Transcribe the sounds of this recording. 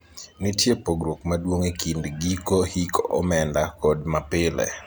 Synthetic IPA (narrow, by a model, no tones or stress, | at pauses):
nitjepoɡɾok̚madwoŋekindɡikohikɔmɛndakɔd̚mapɪlɛ̰